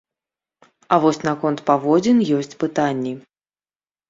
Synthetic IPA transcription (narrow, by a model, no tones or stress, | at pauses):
avɔsʲnakɔnt̪pavɔd͡zʲinjɔsʲt͡sʲpɨt̪anʲːi